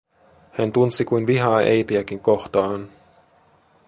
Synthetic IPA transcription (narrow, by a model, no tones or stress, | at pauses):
hænt̪unsikujnʋiɦɑːʔejt̪iækiŋkoht̪ɑːn